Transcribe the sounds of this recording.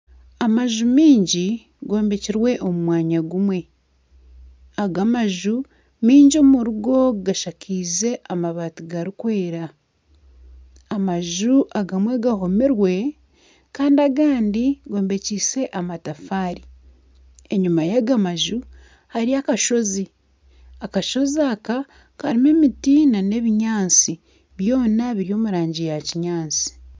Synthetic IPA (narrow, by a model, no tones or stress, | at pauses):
amaʒumiːɲɟi | ɡo̞ːmbe̞ciɾwe̞ʔomumwaːɲaɡumwe̞ | aɡamaʒu | miːɲɟomuɾuɡo̞ɡaʃakʰiːze̞ʔamaβatuɡaɾikwe̞ːɾa | maʒuʔaɡamweɡaho̞miɾwe̞ | kaːndiaɡaːndiɡo̞ːmbe̞ciːse̞ʔamatafaːɾi | e̞ɲumajaɡamaʒu | haɾiakaʃo̞zi | akaʃo̞zaka | kaɾime̞mitinane̞βiɲaːnt͡si | βjo̞ːnaβiɾio̞ːmuɾaːɲɟijaciɲaːnt͡si̥